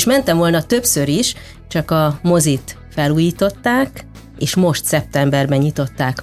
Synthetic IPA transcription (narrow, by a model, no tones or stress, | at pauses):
ʃmɛnt̪ɛɱvo̞lnɒt̪ø̞psøɾiʃ | t͡ʃɒkɒmo̞zit̪ | fɛluːjiːt̪o̞t̪ːaːk | eːʃmo̞ʃt̪sɛp̚t̪ɛmbɛrbɛɲit̪o̞t̪ːaːk